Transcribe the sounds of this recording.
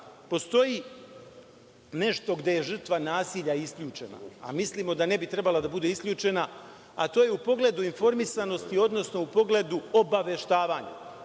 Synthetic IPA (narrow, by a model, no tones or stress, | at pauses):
po̞st̪o̞ji | ne̞ʃt̪o̞ɡd̪e̞je̞ʒr̩t̪ʋanaːsiːʎaiskʎʲuːt͡ʃe̞̰na̰a̰misliːmo̞d̪ane̞bit̪ɾe̞balad̪abud̪eiskʎʲuːt͡ʃe̞na | at̪oːjeupo̞ɡle̞d̪uinfo̞ɾmisano̞st̪io̞d̪no̞sno̞upo̞ɡle̞d̪uo̞baʋje̞ʃt̪aːʋaːɲa̰